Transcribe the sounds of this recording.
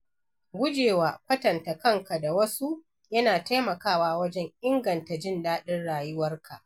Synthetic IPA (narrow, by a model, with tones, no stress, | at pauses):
ɡʷʊ˦d͡ʒeː˨waː˨ɸɐ˦tɐ˨nta˨kɐ˦ŋka˨da˨wɐ˦su˦ | jɐ˦naː˨ta˦jmɐ˨kaː˦˨waː˨wɐ˦d͡ʒɛ˦ŋʔɪ˦ŋɡɐ˨nta˨d͡ʒɪ˦˨ndaː˦ɗɪ˦nɽaː˨jʊ˦wɐ˦rkʰa˨ʔ